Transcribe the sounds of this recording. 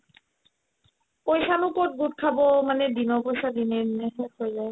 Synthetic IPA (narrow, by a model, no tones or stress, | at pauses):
pojsanukoʈ̚ɡuʈ̚kʰabomaned̪inopojsad̪inenehojzae